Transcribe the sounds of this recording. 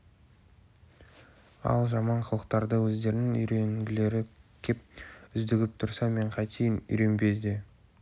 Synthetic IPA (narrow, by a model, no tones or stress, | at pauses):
ɑ̰lˠʒɑmɑɴqʰəlˠəq̚t̪ɑɾd̪əwɵzd̪e̞ɾɪnɪŋʏjɾe̞ŋɡʲɪle̞ɾɪkʲʰe̞p̚ʏzd̪ɪɡʲɪp̚t̪ʰʊɾsɑme̞ɴqʰɑjt̪ʰijɪnʏ̰jɾe̞nbe̞d̪ɪ